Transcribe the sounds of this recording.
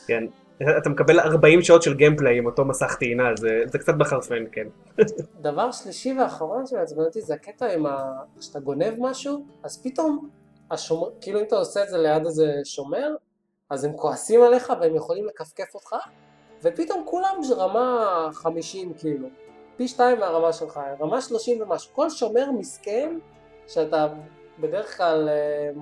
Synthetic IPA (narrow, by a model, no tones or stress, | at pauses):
kenː | t̪amekabe̞laʁbaimʃao̞t̪ʃelɡempleimot̪o̞masaχt̪iːnazezekt͡sat̪̚beχaʁfenken | d̪avaʁʃliʃiveaχaʁo̞nʃemazmanat̪izeaket̪aimakʃe̥at̪aɡo̞ne̞vmaʃuazpit̪o̞m | aʃomkiːluimat̪aoseːtzelejad̪aze̞ʃo̞me̞ʁ | aze̞mkoasimale̞χaveemjeχo̞limle̞kafke̞fot̪χa | ve̞pit̪o̞mkulamʁamaχamiʃimkiːlupiʃtaimaʁamaʃelχaʁamaʃlo̞ʃimvemaʃu̥ko̞lʃo̞me̞ʁmisken | ʃeat̪a | be̞deʁeχklal